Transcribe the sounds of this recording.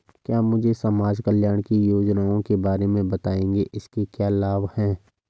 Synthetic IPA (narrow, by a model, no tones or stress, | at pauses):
kjaːmʊd͡ʒʱesɐmaːd͡ʒkəljaːɽ̃kijoːd͡ʒnaːõkebaːɾemẽbɐt̪aːẽːŋɡeʔɪskekjaːlaːbhɛ̃ː